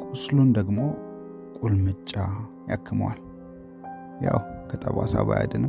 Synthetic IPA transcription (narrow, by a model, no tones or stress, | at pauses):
kʼʊslund̪əɡmo̞ | kʼulmɨt͡ʃʼːajakʰːɨməwal | jawkʰət̪ʼəβasaβaja̰d̪ɨnɨm